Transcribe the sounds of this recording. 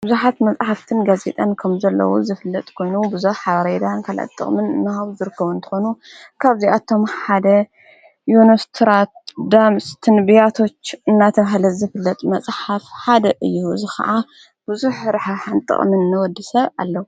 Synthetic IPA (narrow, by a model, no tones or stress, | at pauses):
b̥ɨzuħat̪mɐt͡sʼħaft̪ʰɨnɡaze̞t̪ʼankʰɐmzɐlːɐ̰wo̰zɨfɨlːɐt̪ʼkʰo̞jnubɨzuħħaɾed̪ankʰala̰t̪ʼːɨ̰χʼmɨnnːahaβzɨɾɨkːɐβunt̪ʰɨ̥xo̞nukʰaβziat̪ʰo̞mħad̪ɐ | jonost̪ʰɾat̪̚d̪amst̪ʰɨnbijat̪ʰo̞t͡ʃːɨnːat̪ʰɐβaɦlɐzɨfɨlːɐt̪ʼmɐt͡sʼħafħad̪ɐʔɨjːuɨzixɐ̰ʔa | b̥ɨzuħɾaħaħant̪ʼɨ̰χʼmɨnːɨwɔd̪ːisɐβa̰lːɐwu